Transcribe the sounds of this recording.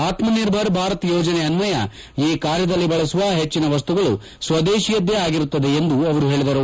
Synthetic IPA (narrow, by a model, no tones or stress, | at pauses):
aːt̪mɐniɾbʱɐɾbʱaːɾɐt̪jɔːd͡ʒɐneɐnʋɐjɐ̰ | iːkaːɾjɐd̪ɐlːibɐɭɐsuʋɐɦe̞t͡ʃːinɐʋɐst̪uɡɐɭu | sʋɐd̪eːʃijɐd̪ːeaːɡiɾut̪ːɐd̪eend̪uɐʋɐɾuɦeːɭid̪ɐɾu